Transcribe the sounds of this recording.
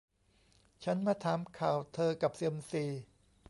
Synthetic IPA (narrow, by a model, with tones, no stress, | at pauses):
t͡ɕʰa˦˥nmaː˦˧˥t̪ʰaː˨˧˦mkʰaː˨˩wt̪ʰɤː˧ka˨˩p̚si˧əmsiː˨˩